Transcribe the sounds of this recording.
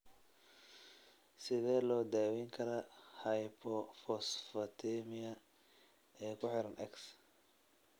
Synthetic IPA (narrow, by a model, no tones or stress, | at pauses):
sɪðɛːlɔːd̪aːwɛːŋkʰɐɾɐhɐjpʰɔfɔsfɐt̪ʰɛmɪɐ | ɛːkʰʊħɪɾɐnʔɛks